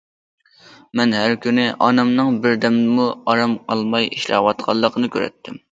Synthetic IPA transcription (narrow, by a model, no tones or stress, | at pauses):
mɛnɦæɾkʲynɪʔɑnɛmnɨŋbɪɾd̪ɛmnɪmuɑɾɑmqʰɑlˠmɑjiʃlɑ̰wɑt̪̚qʰɑlˠːəqnɨkʲʰø̰ɾɛ̰t̪ʰːɪm